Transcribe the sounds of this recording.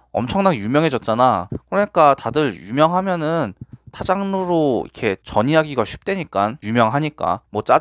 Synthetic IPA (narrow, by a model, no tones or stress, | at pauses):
ʌ̰mt͡ɕʰʌŋnanjumjʌŋɦe̞d͡ʑʌt̚t͡ɕ͈anakɯɾʌɲik͈atadɯɭjumjʌŋɦamjʌnɯntʰad͡ʑaŋnoɾoḭkʰe̞t͡ɕʌɲiɦaɡiɡaɕʰu̥p̚t͈weɲik͈anjumjʌŋɦaɲik͈a̰mwʌt͡ɕ͈a